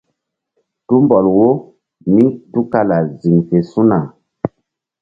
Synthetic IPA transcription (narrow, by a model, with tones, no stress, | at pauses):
tu˦mbɔ˨lwo˦ | mi˦ŋtu˦ka˦la˨zi˨ŋfe˨su˦na˨